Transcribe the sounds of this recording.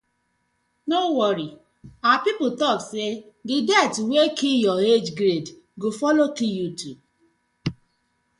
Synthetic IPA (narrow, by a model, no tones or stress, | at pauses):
nowɔɾi | apip̩tɔkse | didɛtwekijɔed͡ʒɡɾed | ɡofɔlokijutʰu